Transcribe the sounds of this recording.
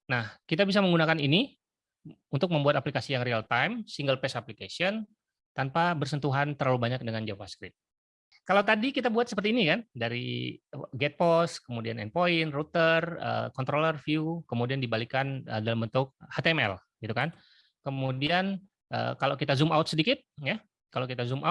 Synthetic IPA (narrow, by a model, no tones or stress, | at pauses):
nahkit̪abis̬aməŋɡunakanini | unt̪ʊk̚məmbuat̪aplikasijaŋrialt̪ajmsiŋɡəlpɛsaplikasiɔn | t̪anpabərsənt̪uɦant̪ərlalubaɲak̚dəŋand͡ʒavaskɾɪt̪̚ | kalawt̪adikit̪abuat̪səpərt̪iːnikandaɾḭ | ɡɛt̪̚pɔskəmudianɛ̰npoɪnrut̪ərə̰kɔnt̪ɾolərfiukəmudiandibalikanə̰dalambənt̪ʊk̚hat̪eɛmɛ̰lɡ̥it̪ukan | kəmudian | ʔə̰kalawkit̪azumawt̪sədikɪt̪̚ja | kalawkit̪azumʔa